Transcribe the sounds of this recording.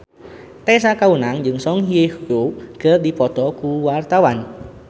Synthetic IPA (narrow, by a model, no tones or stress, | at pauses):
t̪ɛs̬akaunaŋd͡ʒɨŋsɔŋɦiehoɡ̥ərdipɔt̪ɔkuwart̪awan